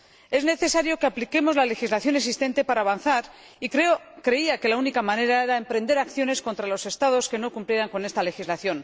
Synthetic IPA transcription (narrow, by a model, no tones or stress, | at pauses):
e̞zne̞θe̞saɾjo̞ke̞aplike̞mo̞zlale̞xizlaθjo̞neks̬ist̪e̞nt̪e̞paɾaːβanθaɾ | ikeo | kɾe̞iake̞launikamãne̞ɾae̞ɾaempɾe̞nd̪e̞ɾakθjo̞ne̞sko̞nt̪ɾalo̞se̞st̪aðo̞ske̞no̞kumplje̞ɾaŋko̞ne̞st̪ale̞xizlaθjo̞n